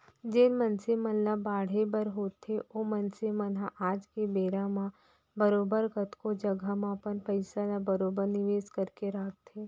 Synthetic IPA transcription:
d͡ʒeːnmənsemənlabaːɽ̤ebəɾɦoːt̪ʰeʔoːmənsemənaʔaːd͡ʒkebeːɾãmã | bəɾoːbəɾkət̪kod͡ʒəɡamãpəɾpəɪsalabəɾoːbəɾnɪʋeːskəɾkeɾaːɡ̚t̪eː

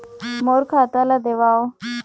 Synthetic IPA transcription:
moɾkʰat̪alad̪eʋao

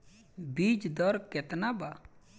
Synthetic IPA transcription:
bid͡ʒd̪ɔɾkɛt̪naba

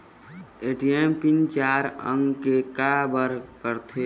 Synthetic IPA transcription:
eʈiempint͡ʃaɾə̰ŋɡkekabəɾkəɾt̪ʰe

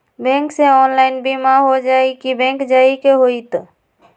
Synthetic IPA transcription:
bɛ̃ŋksẽɔnlaɪnbimaɦod͡ʒajkibɛ̃ŋkd͡ʒaikeɦojt̪

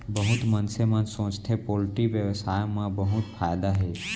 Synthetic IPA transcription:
bəɦʊt̪mənsemə̃nsõt͡ʃt̪ʰepolʈiʋjəʋsaːjmãbəɦut̪fʰaːjd̪aɦe

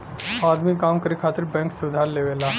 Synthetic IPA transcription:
aːd̪mikaːmkəɾikʰaːt̪ɪɾbɛ̃ːŋksʊd̪ʱaːɾleːʋeːlaː

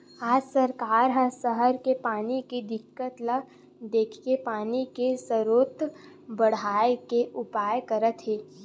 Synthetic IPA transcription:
aːd͡ʒsəɾkaːɾɦə̃səɦəɾkepaːnikid̪ɪkːət̪lə | d̪eːkʰkepaːnikesəɾoːt̪ | bəɽ̤aːekeʔʊpaːjkəɾət̪ɦeː

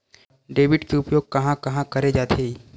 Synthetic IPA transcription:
ɖeːʋɪɖkeʊpjoːɡ̚kɐɦãkɐɦãkɐɾed͡ʒaːt̪ʰei

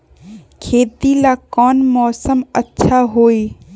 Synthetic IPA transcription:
kʰet̪ilakɔnmɔsəmə̰tːʃʰaɦoj

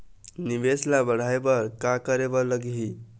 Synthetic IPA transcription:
nibeslabəɽ̤aebəɾkakəɾebɔləɡɦi

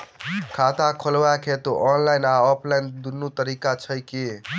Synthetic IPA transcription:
kʰat̪akʰolwakʰet̪oʔɔnlajnaɔpʰlajnd̪unːut̪əɾikat͡ʃʰəjke

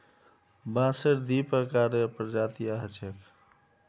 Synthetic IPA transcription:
bãsəɾd̪ipəkaɾəpɾd͡ʒat̪ijaɦət͡ʃʰek

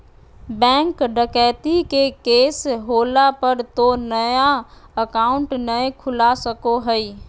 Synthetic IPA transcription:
bɛ̃ŋkɖəkɛjt̪ikekesɦolapəɾt̪onəja | əkaʊɳʈnəjkʰulasəkoɦəj

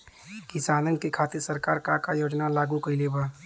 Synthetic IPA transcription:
kɪsaːnənkekʰaːt̪ɪɾsɐɾkaːɾkaɾkajoːd͡ʒnalaːɡukɐileːbaː

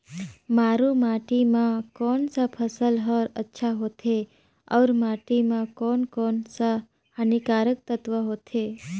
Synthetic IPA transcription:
maɾũmaʈimãkɔɳsəpʰəsəlɦəɾətːʃʰaɦot̪ʰe | ə̰ʋɾmaʈimãkɔɳkɔɳsə | hanikaɾək̚t̪ət̪ʋəɦot̪ʰe

